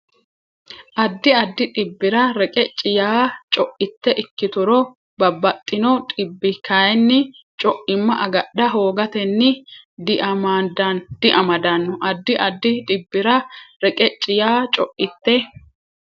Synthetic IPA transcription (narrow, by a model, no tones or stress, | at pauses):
ʔɐd̪ːɪɐd̪ːɪt̪ʼɪbːɪɾɐɾɛkʼɛt͡ʃʼɪjaːt͡ʃʼɔʔɪt̪ːɛʔɪkːɪt̪ʊɾɔ | bɐbːɐt̪ʼːɪnɔt̪ʼɪbːɪkʰɐjɛnːɪ | t͡ʃʼɔʔɪmːɐʔɐɡɐɗɐɦoːɡɐt̪ɛnːɪd̪ɪʔɐmad̪ɐnd̪̥ɪʔɐmɐd̪ɐnːɔʔɐd̪ːɪʔɐd̪ːɪᶑ̪ʼɪbːɪɾɐɾɛkʼɛt͡ʃʼɪjaːt͡ʃʼɔʔɪt̪ːɛ